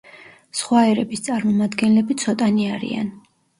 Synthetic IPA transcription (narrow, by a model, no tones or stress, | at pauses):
sχwaɛɾɛbist̪sʼaɾmɔmad̪ɡɛnlɛbit̪sʰɔt̪ʼaniaɾḭa̰n